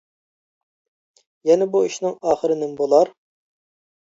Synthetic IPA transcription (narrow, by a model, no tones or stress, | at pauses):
jɛnɛbuiʃnɪŋɑːχəɾɨnɪnbolˠɑɾ